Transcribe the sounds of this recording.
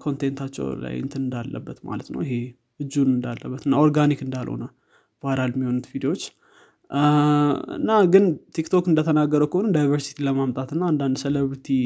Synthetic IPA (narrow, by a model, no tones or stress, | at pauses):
kʰo̞nt̪ʰent̪ʰat͡ʃːɛ̰wla̰jɪ̰nt̪ʰɨnɨnd̪alːə̰bːət̪ma̰lət̪nə̰wɪɦe̞ | ɨd͡ʒːunɨnd̪alːəbːət̪ɨnːao̞ɾɡanikɨnd̪alho̰nə | v̥aɾalmːiho̞nut̪vid̪ewo̞t͡ʃː | ɨ̰nːaɡɨnt̪ʰikt̪ʰo̞kɨnd̪ət̪ʰənaɡːəɾəwkʰəhonumd̪ajvəɾsi̥t̪ʰiləmamt̪ʼat̪ɨnːaːnd̪and̪sələβɾt̪ʰi